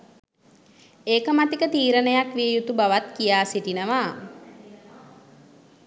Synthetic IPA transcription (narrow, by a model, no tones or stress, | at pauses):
eːkəmat̪ikət̪iːɾənəjakʋiəjut̪ubaʋat̪kijaːsiʈinəʋa